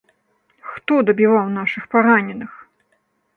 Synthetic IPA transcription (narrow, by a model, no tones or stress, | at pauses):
xt̪ɔd̪ɐbʲivawnaʂɨxpaɾanʲɛnɨx